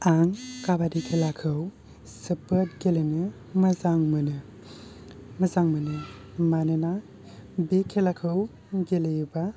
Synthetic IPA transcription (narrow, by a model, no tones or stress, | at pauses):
aŋkabadikʰelakʰɯw | sɯpɯt̚ɡelenɯ | mɐzaŋmɯnɯ | mɐzaŋmɯnɯ | manɯna | bekʰelakʰɯw | ɡeleba